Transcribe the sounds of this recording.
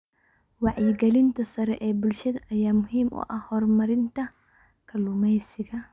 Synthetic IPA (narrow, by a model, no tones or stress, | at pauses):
waʕjɪɡɐlɪnt̪ɐsɐɾɐʔebʊlʃɛt̪ɐjamʊhimʔɔ̰ʔɐhɔɾmɐɾɪnt̪ɐ | kʰɐlumɐjsɪkɐ